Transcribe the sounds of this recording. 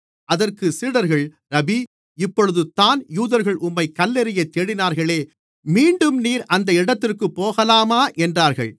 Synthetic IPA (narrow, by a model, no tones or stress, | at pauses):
ʔɐðɐrkɯsiːɽɐɾɣɐɭ | ɾɐbi | ɪpːɔɻɯðɯt̪aːnjuːðɐɾɣɐɭʔʊmːɐɪkːɐlːɛɾɪjɐt̪ːeːɽɪnaːɾɣɐɭeː | miːɳɖɯmniːɾʔɐnd̪ɐɪɽɐt̪ːɪrkɯpːoːɣɐlaːmaːʔɛndraːɾɣɐɭ